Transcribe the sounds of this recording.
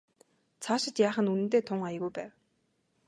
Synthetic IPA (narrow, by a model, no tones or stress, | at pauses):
t͡sʰaːʃɪ̆t̪jaːχə̆nunɘ̆nt̪eːt̪ʰʊŋajə̆ɣujpæːw